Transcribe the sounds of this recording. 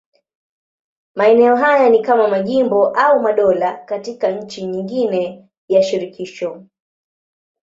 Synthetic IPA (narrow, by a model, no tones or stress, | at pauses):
maɛnɛɔɦajanikamamaʄimbɔʔaumaɗɔlakatikaɲ̩t͡ʃiɲiŋɡinɛ | jaʃiɾikiʃɔ